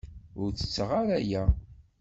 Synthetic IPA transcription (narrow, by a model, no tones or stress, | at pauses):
ʊɾt͡sə̥t͡sːəʁaɾæjæ